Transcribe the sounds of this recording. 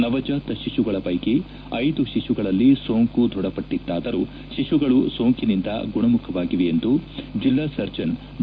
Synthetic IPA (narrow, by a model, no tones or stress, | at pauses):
nɐʋɐd͡ʒaːt̪ɐʃiʂuɡɐɭɐpɐjke | ɐjd̪uʃiʂuɡɐɭɐlːisoːŋkud̪ʱɔɽɐpɐʈːid̪ːaːd̪ɐɾu | ʃiʃuɡɐɭuso̞ːŋkinind̪ɐ̰ɡuɳɐmukʰɐʋaːɡiʋeend̪ud͡ʒilːasɐɾd͡ʒɐn